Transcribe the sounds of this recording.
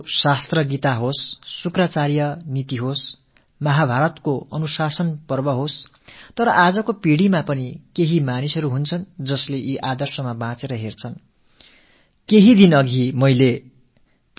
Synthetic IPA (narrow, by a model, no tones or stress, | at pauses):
sast̪rʌɡit̪aɦosːukrʌt͡sarjʌnit̪iɦos | mʌɦabʱaɾʌt̪koʌnusasʌnpʌrbʌɦos | t̪ʌɾʌʔad͡zʌkopiɽimapʌnikeɦimanisʌɾuɦunt͡sʰʌnd͡zʌsleʔiʔad̪ʌrsʌmabãt͡seɾʌɦert͡sʰʌn | keɦid̪inʌɡʱimʌjle